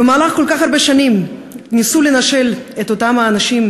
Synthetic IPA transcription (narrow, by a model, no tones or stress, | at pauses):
bemaːlaχko̞lkaχhaɾbeʃanimnisulenaʃe̞let̪otamhaːnaʃim